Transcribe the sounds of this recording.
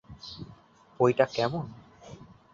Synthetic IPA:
hojʈakɛmon

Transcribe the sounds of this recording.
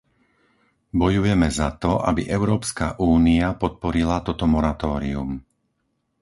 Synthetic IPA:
bɔjujɛmɛzat̪ɔʔa̰bḭʔɛʊɾɔːpska̰ʔuːniapɔt̪̚pɔɾilat̪ɔt̪ɔmɔɾat̪ɔːɾium

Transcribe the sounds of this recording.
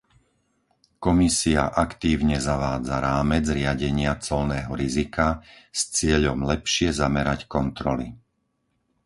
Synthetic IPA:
kɔmisiaʔakt̪iːʊɲɛzaʋaːd͡zaɾaːmɛd͡zɾɪaɟɛɲɪat͡sɔlnɛːɦɔɾizikast͡sɪɛʎɔmlɛpʃɪɛzamɛɾackɔnt̪ɾɔlḭ

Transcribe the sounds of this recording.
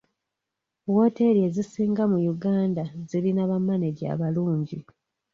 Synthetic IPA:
wo̞ːte̞ɾie̞ːzisiːŋɡamujuɡaːndazilinaβamːaneɡja̰ːβaluːɲɟi

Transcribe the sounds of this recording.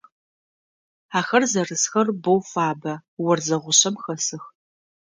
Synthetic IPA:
aːxɐrzɐrɨsxɐrbowfaːbɐwɐrzɐʁʷʊɕɐmxɐsɨx

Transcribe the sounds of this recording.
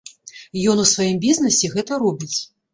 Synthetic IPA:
jɔnusvajimbʲiznɐsʲɛɣɛt̪ɐɾɔbʲit͡sʲ

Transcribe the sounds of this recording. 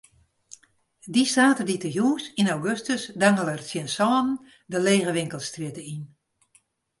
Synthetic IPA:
distaːtəditəɦjuːsinawɡøstəsdaŋələrsjənsɔːnn̩ | dəleːɣəʋɪŋkəlˠstrɪətəin

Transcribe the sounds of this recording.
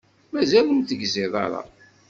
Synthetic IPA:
mæzælumθəɡzɪðˤɑ̰ɾˤɑ̰

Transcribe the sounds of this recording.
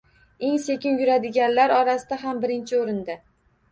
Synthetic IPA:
e̞ŋse̞kʲɪnjʊɾad̪ɪɡʲanlaɾɒɾasɪd̪aɦambɪɾɪnt͡ʃʰɪoɾɪnd̪a

